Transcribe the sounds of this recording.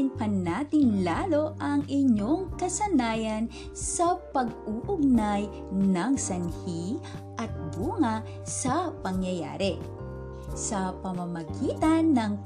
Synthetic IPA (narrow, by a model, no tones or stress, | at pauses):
ɪnpɐnaːt̪ɪŋlaːlo̞ʔɐŋʔɪɲoŋkɐsɐnaːjɐn | sɐpɐɡ̚uʔʊɡ̚naj | nɐŋsɐnhiʔɐt̪̚buːŋɐ | sɐpɐŋjɐja̰ːɾɛ | sɐpɐmɐmɐɡiːt̪ɐnːɐŋ